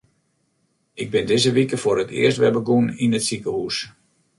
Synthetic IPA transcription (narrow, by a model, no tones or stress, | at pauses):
ɪɡ̚bɪndɪzəʋikəfʊːɾətʰɪ̰əstʋɛbəɡuninətsikəhus